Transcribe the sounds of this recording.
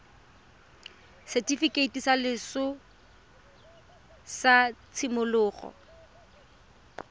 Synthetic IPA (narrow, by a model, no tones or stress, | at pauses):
sɛtʼifikʼeitisalɪsʊ | sat͡sʰɪmʊlʊːɣɔ̰